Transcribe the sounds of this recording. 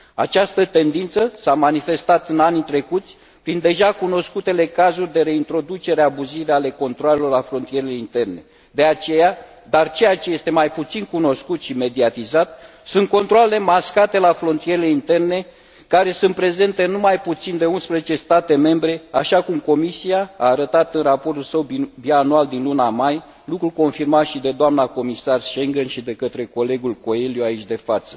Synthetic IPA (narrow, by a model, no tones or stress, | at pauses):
a̰t͡ʃast̪ət̪e̞nd̪int̪səsamanife̞st̪at̪ɨnanit̪ɾe̞kut̪sʲ | pɾind̪e̞ʒakuno̞skut̪e̞le̞kazurʲd̪e̞ɾe̞int̪ɾo̞d̪ut͡ʃe̞ɾeabuzive̞ale̞ko̞nt̪ɾoale̞lo̞rlafɾo̞nt̪ije̞ɾeleint̪e̞rne̞̰ | d̪e̞at͡ʃe̞ja | d̪art͡ʃe̞jat͡ʃeje̞st̪e̞majput̪sinkuno̞skut̪ʃime̞d̪iat̪izat̪ | sunt̪̚ko̞nt̪ɾoalele̞maskat̪e̞lafɾo̞nt̪ijeɾele̞int̪e̞rne̞ | kaɾe̞sunt̪pɾe̞ze̞nt̪e̞numajput̪sind̪e̞unspɾezet͡ʃe̞st̪at̪e̞me̞mbɾe̞aʃakumko̞misiaa̰ːɾət̪at̪ɨnrapo̞rt̪ulsəwbbianuald̪inlunamaj | lukɾulko̞nfirmaʃid̪e̞d̪oamnako̞misarʃe̞ŋɡənʃid̪e̞kət̪ɾe̞ko̞le̞ɡulko̞elijoait͡ʃʲd̪e̞fat̪sə̥